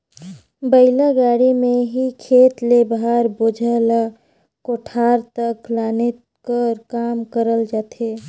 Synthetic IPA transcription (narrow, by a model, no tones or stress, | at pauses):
bəɪlaɡaːɽimẽɦikʰeːt̪lebɦaɾboːd͡ʒʱəla | koʈʰaːɾt̪əklaːne | kəɾkaːmkəɾəld͡ʒaːt̪ʰe